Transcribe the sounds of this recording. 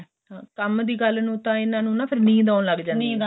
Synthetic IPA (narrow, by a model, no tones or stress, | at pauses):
ãːkəmd̪iːɡəlnũːt̪ãːɪnãːnũːnãːpʰɪɾnĩːd̪aːnləɡd͡ʒãːniː